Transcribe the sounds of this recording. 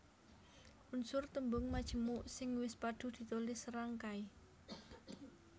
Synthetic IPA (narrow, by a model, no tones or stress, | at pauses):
ʔunsʊrt̪əmbʊŋmad̥ʒ̥ə̤muʔsɪŋwɪspaɖ̥ṳd̪̥i̤t̪olɪsɾaŋkai